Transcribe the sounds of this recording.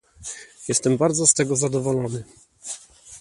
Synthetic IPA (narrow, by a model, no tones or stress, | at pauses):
jɛst̪ɛmbaɾd̪zɔst̪ɛɡɔzad̪ɔvɔlɔnɘ